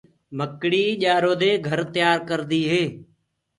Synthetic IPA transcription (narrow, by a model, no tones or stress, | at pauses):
məkɽiːʄaːɾoːd̪eːɡʱəɾt̪ɪjaːɾkəɾd̪iːɦeː